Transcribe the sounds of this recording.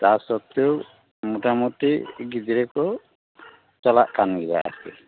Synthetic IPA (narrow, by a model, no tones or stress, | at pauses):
t̪asɔt̪ːjo | muʈamuʈiɡid̪ɾekɔ | t͡ʃɔlaʔkanɡila̰ʔa̰sɛ̰